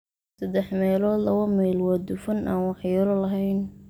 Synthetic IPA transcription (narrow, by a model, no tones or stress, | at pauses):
sɐd̪ɛħmɛːlɔːd̪lɐβɐmɛjlwaːd̪ʊfɐnʔa̰ːnwɑħjɐɾɔlɐɦɛjn